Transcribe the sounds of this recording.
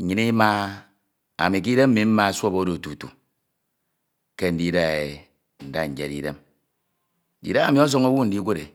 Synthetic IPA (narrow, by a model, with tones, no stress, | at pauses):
ɲi˨ni˦ma˦ | a̰˨mi˨k̬i˦de˦m̩˦mi˨m̩˦ma˦˨sʷo˦bo˦do˨tu˨tṵ˨ | ke˦n̩˨di˦da˦˨e˨ | n̩˨da˦ɲ̩˨d͡ʒḛ˨ɾḭ˦ɾe˦m | ḭ˨da˦a˨mi˨˦o˦s̬o˦ŋo˦wu˦n̩˨di˦kʷe˦ɾe˨